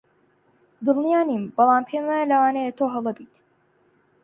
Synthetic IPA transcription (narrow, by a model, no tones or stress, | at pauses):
d̪ɨlˠnijaːniːmbɑlˠɑːmpʰeːmɐlɐwɑːnejet̪ʰoːɦɐlˠɐbiːt̪